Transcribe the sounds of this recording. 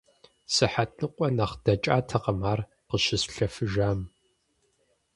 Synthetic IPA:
sɨħatʰʼnɨqʷʼɔnɐχd̥ɐt͡ʃʼa̰ːtʰɐqɐmaːr | qəʃɪsɬɐfɨʒaːm

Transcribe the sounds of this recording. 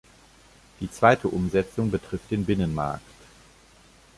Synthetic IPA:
d̥iːt͡sv̥aɪtʰəʔʊmzɛt͡sʊŋbətʁ̥ɪft̚d̥eːnbɪnənma̰ɐkt

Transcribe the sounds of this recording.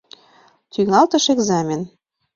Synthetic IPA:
t̪yŋɑlt̪əʃeɡzɑmʲen

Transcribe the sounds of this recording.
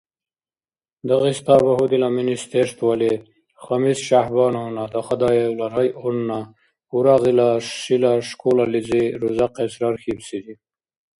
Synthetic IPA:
d̪aɣist̪ɑbaɦud̪ilaminist̪eʂt̪wale | χamisʃahbɑnawnad̪axad̪ɑjewlaɾajunːa | uɾaɣilaʂilaʂkolalid͡ziɾuzaqesɾɑɾxibsid̪i

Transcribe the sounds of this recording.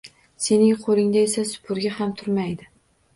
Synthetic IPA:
se̞nɪŋqʰolˠɪŋd̪ae̞sasʊ̥pʰʊɾɡʲahamt̪ʰʊɾmajd̪ɪ

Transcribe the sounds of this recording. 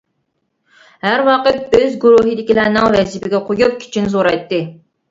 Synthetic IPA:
hæɾwɑqət̪̚bøzɡuɾuɦɨd̪ɪkʲilæɾnɪŋvɛzipɪɡʲɛqʰojup̚kʲʰi̥t͡ʃʰinɪzoɾɑjt̪ːɨ

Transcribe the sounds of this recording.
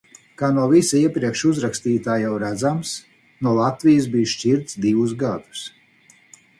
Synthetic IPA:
kaːnuɔvisaiɛpɾiɛkʃuzɾakst̪iːt̪aːjawɾæd̪zams | nuɔlˠat̪vʲijɪs̬bijʃcʲiɾt̪sd̪ivusɡad̪u̥s

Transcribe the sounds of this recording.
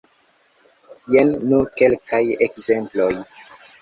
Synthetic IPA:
jenːukelkajekzemploj

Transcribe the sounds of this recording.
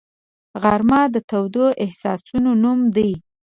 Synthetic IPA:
ɣaɾmɑd̪ət̪awd̪oʔɪhsɑ̰sunonumd̪əj

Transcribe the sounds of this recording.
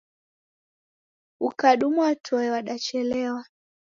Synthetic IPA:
ukaɗumuwatʰɔɛwaɗat͡ʃɛlɛwa

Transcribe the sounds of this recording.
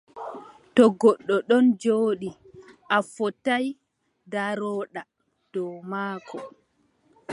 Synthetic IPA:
tɔɡɔɗːɔɗɔnd͡ʒoːɗi | ʔafɔtaj | daɾɔːɗa | d̥ɔmaːkʰɔ

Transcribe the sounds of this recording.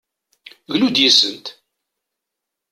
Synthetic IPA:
ɣlud̪jəzːənt̪

